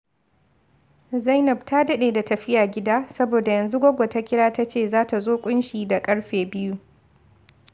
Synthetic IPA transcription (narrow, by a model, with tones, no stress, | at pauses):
za˦jnɐ˨bta˦dɐ˦ɗeː˨da˨tɐ˨ɸɪ˦jaː˨ɡʲɪ˦daː˦sɐ˦boː˨da˨jɐ˨nzu˦ɡʷo˦ɡʷo˨ta˦kʲɪ˦ɽaː˦ta˦t͡ʃeː˦˨zaː˦ta˨zoː˦kʷʼʊ˦nʃiː˨da˨kʼɐ˦ɽɸeː˨bɪ˦ju˦